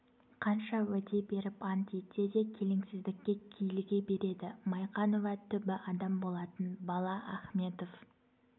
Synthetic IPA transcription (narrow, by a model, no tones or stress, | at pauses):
qʰɑnʃɑwɵt̪e̞be̞ɾɪpɑnt̪et̪e̞d̪e̞kʲʰe̞lɪŋsɪzd̪ɪkʲːe̞kʲʰijɪlɪɡʲe̞be̞ɾe̞d̪ɪmɑjqɑnovɑt̪ʰʏbɪʔɑd̪ɑmbo̞lˠɑt̪ənbɑlˠɑʔɑχme̞t̪of